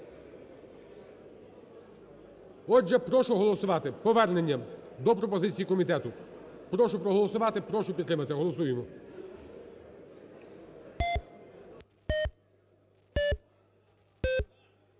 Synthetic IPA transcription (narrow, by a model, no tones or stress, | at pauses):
ɔʒɛpɾɔʃʊɦɔlˠɔsʊʋɑt̪ɪpɔʋɛrne̞nʲːɐd̪ɔpɾɔpɔzɪt͡sʲijikɔmʲit̪ɛt̪ʊ | pɾɔʃʊpɾɔɦɔlˠɔsʊʋɑt̪ɪpɾɔʃʊpʲid̪t̪ɾɪmɐt̪ɪɦɔlˠɔsujemɔ